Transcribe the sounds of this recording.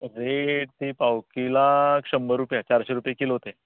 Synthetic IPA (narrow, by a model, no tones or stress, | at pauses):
ɾeʈt̪iːpawkilakɕəmbəɾupjat͡ɕaɾɕeɾupjekilɦot̪e